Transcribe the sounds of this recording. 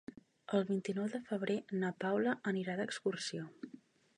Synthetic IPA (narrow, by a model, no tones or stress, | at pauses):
əlˠβint̪inɔwðəfəβɾenəpawləʔəniɾad̪əkskursio